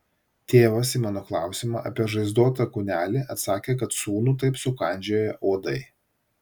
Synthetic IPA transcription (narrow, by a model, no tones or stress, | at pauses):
t̪ʲeːʋɐsimɑnoːklˠɑˑʊsʲɪmɑ̰ːʔɐ̰pʲiɛʒɐɪzd̪oːt̪ɐkʊnʲæːlʲɪʔɐt̪sɑːkʲeːk̬ɐt̪suːnuːt̪ɐɪpsʊkɐˑnʲd͡ʒʲoːjɛʔoːd̪ɐɪ